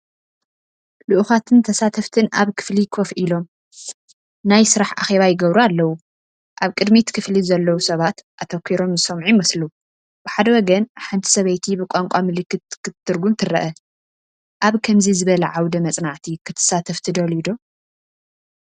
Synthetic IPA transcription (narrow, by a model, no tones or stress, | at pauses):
luʔuxat̪ʰɨnt̪ʰɐsat̪ʰɐft̪ʰɨnaβkʰɨ̥flikʰofʔilo̞m | najsɨɾaħa̰xe̞βajɪɡɐβɾualːɐwu | ʔaβkʼɨd̪mit̪kʰɨflizɐlːɐwusɐβat̪ʔat̪ʰɐkʷʰːiɾo̞mzɨsɐmʕimɐslu | b̥ɨħad̪ɐwɔɡɐnħant̪ʰi̥sɐβɐjt̪ʰibɨkʼaŋkʼamɨlɨkːɨt̪kɨt̪ʰːɨɾɡumt̪ʰɨrɐ̰ʔɐ | ʔaβkʰɐmzizɨβɐlɐʕawd̪ɐmɐt͡sʼnaʕt̪ʰikʰɨt̪ʰɨ̥sat̪ʰɐft̪ʰid̪ɐlid̪o